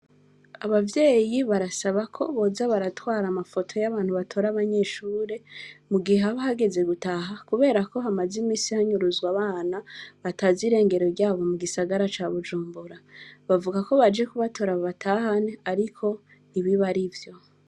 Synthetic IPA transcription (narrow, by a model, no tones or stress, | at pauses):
aβavje̞ːjiβaɾasaβakʰo̞βo̞zaβaɾatwaːɾamafo̞tʰo̞jaβaːn̥huβatʰo̞ɾaβaɲe̞ːʃuːɾe̞muɡiaβaɦaɡe̞ze̞ɡutaɦakuβe̞ːɾako̞ɦamazimiːsihaɲuɾuzɡwaβaːnaβataziɾe̞ːŋɡe̞ɾo̞ɾɟaːβo̞muɡisaɡaɾat͡ʃaβud͡ʒuːmbuɾaβavuɡako̞βad͡ʒekuβatʰo̞ɾaβoβatʰaːhaneaɾikʰo̞ | iβiβaɾivjo̞